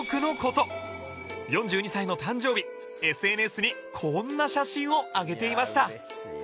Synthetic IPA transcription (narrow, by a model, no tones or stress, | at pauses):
kɯ̟no̞ko̞t̪o̞ | jõ̞ɲ̟d͡ʑɨːɲ̟isaino̞t̪ãɲ̟d͡ʑo̞ːbʲi | e̞sɨe̞ːnesɨɲ̟i | kʰo̞nːaɕaɕĩɰ̃o̞aɡe̞t̪e̞imaɕi̥t̪a